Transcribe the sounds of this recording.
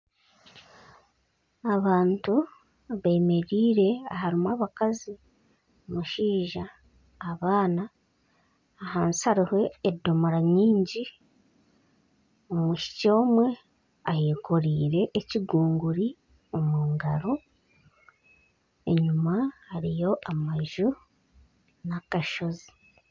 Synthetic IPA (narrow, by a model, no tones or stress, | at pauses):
aβaːntu | βeːme̞ɾiːɾe̞aɦaɾimwaβakazi | omuʃiːʒaː | βaːna | haːnsaɾihwe̞ːdːo̞moɾaɲiːɲɟi | omuʃi̥co̞ːmwe̞ | aheːkoɾiːɾe̞ʔːciɡuːŋɡuɾi | omuːŋɡaɾo̞ | e̞̰ɲumahaɾijo̞ʔamaʒu | nakaʃo̞zi̥